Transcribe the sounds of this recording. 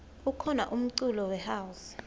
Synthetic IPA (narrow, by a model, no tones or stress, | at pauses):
ukʰɔnaʔum̩ǀulɔwɛhaws